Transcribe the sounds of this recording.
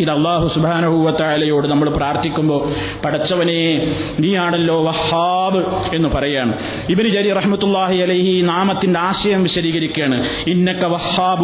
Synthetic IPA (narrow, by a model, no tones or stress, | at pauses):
iðɐlˠˤːaːɦusubhaːnɐɦuʋɐt̪ɐʕaːlɐjoːɽɨnɐmːɐɭpraːrt̪ʰikʲːumbo̞ː | pɐɽɐt͡ɕːɐʋɐneː | niːaːɳɐlːo̞ːʋɐhːaːbɨe̞nːɨpɐrɐjːaːɳɨ | ibnɨd͡ʑɐɾirɐħmɐt̪ːulˠːaːɦiɐlɐjhinaːmɐt̪ːindeaːɕɐjɐmʋiɕɐɾiːɣɐɾikʲːeːɳɨ | inːɐkːɐʋɐhːaːb